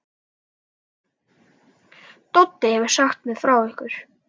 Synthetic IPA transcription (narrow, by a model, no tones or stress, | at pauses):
t̪ɔt̪ːɪɛvʏɾ̥saxt̪mɛðfɾaːwɪhkʏɾ̥